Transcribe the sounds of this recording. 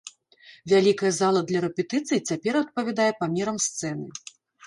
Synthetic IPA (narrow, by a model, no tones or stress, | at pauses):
vʲalʲikɐjɛzalˠɐd̪lʲɐɾɛpʲɛt̪ɨt̪sɨjit͡sʲapʲɛɾɐt̪̚pɐvʲad̪ajɛpamʲɛɾɐmst̪sɛnɨ